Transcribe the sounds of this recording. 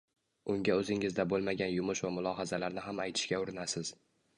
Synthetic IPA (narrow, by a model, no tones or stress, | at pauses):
ʊŋɡʲaɵzɪŋɪzd̪abolˠmaɡʲanjʊmʊʃvamʊlˠɒɦazalaɾnɪɦamajt̪ʰɪ̥ʃkʲaʊɾɪnasɪz̥